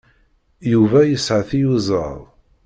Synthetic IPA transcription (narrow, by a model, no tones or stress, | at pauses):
juvæjəsʕəθijuzˤə̰ðˤ